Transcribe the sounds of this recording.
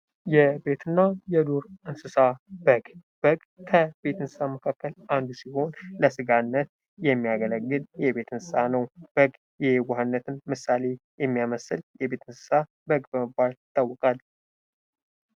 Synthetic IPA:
jɛbe̞t̪ʰɨnːajɛd̪oɾɨnsɨsabəɡb̥əɡʼ | kʰəbe̞t̪ɨnsɨ̥saməkʰakːəlʔand̪usiho̞nləsɨɡanːət̪̚ | jɛmːijaɡələɡːɨljɛbe̞t̪ɨnsɨsanəwb̥əɡ | jɛhwaɦanːət̪ʰɨnmɨsale̞jɛmːijaməsɨljɛbe̞t̪ʰɨnsɨ̥sa | bəɡbəməbːalt̪ʼːawːɔkʼal

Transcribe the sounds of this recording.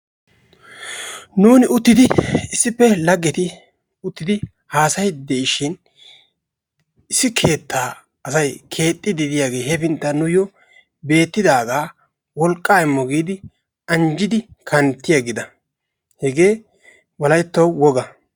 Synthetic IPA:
nuːnɪʊt̪ːɪd̪ɪɪsːɪpːɛlɐɡːɛt̪ɪ | ʊt̪ːɪd̪ɪ | haːsɐjd̪ɛɪʃɪn | ɪsːɪkʰe̞ːt̪ʰːaː | ɐsɐjkʰe̞ːt̪ʼːɪd̪ɪd̪ɪjaːɡe̞ːhɛpɪnt̪ːɐnʊjɔ | be̞ːt̪ːɪd̪aːɡaː | wɔlkʼːaːɪmːɔɡiːd̪ɪ | ɐnd͡ʒɪd̪ɪkʰɐnt̪ːɪjɐɡɪd̪ɐ | hɛɡe̞ː | wɐlɐjt̪ːɐwwɔɡɐ

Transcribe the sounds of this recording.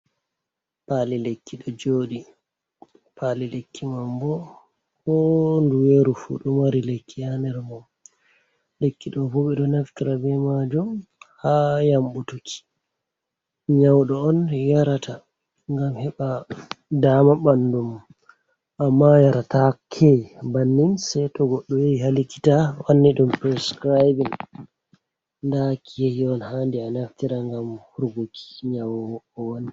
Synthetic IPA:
palilekːiɗɔd͡ʒoːɗi | pʰalilekʰːimambɔ | hɔnduweɾufṵɗɔmaɾilekːijanɛɾmɔ | lekːiɗɔfuɓɛɗɔnaftiɾabɛmad͡ʒumhajambutukʰi̥ | ɲawɗɔɔnjaɾatʰa | ŋɡamhɛɓadamaɓanːdum | ʔamːajaɾatakʰejbanːinsajtɔɡɔɗːɔjeiɦaliki̥tawanːiɗumpɾɛskɾajbin | ndakʰijehiɔnhandianaftiɾaŋɡamhuɾɡokʰi̥ɲawɔwɔɔwon

